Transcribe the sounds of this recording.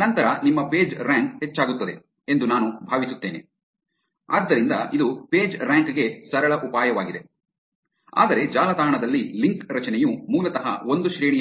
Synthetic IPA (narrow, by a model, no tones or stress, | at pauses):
nɐnt̪ɐɾɐnimːɐpe̞ːd͡ʒɾaːŋk̚het͡ʃːaːɡut̪ːɐd̪e̞ | end̪unaːnubʱaːʋisut̪ːeːne̞̰ | a̰ːd̪ːɐɾind̪ɐid̪upeːd͡ʒɾaːŋkɡe̞sɐɾɐɭɐʔupaːjɐʋaːɡid̪e | a̰ːd̪ɐɾe̞d͡ʒaːlɐd̪aːɳɐd̪ɐlːiliŋkɾɐt͡ʃɐnɛjumuːlɐt̪ɐɦɐ̰o̞nd̪uʃɾiːɳijɐ